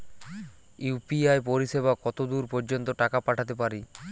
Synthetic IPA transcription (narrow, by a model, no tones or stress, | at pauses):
upiajpoɾiʃeβakɔt̪od̪uɾpɔɾd͡ʑont̪oʈakapaʈʰat̪̬epaɾi